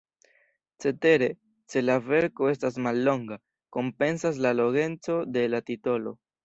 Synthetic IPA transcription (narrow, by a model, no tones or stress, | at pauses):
t͡se̞te̞ɾe̞ | se̞lave̞ɾko̞e̞stas̬malːo̞ŋɡa | ko̞mpe̞nsas̬lalo̞ɡe̞nt͡so̞de̞latito̞lo̞̰